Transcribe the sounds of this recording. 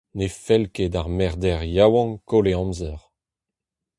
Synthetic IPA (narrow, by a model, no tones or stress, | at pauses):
nefɛlkedaʁmɛʁd̪ɛʁjawɑ̃ŋkoleɑ̃mzɛʁ